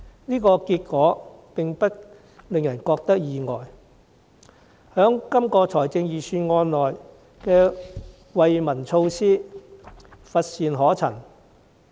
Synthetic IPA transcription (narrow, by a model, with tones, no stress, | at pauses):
niː˥kɔː˧kiː˧t̚kɔː˨˥pɪ˨ŋpɐ˥t̚ | le˨ŋjɐ˨˩nkɔː˧k̚t̪ɐ˥k̚jiː˨ŋɔː˨˩j | hœː˨˥ŋkɐ˥mkɔː˧t͡sʰɔː˨˩jt͡sɪ˧ŋjiː˨˩syː˧nŋɔː˧nlɔː˨j | kɛː˧ | wɐ˨jmɐ˨˩nt͡sʰo˧wsiː˥ | fɐ˧t̚siː˨nɦɔː˨˥t͡sʰɐ̰˨˩n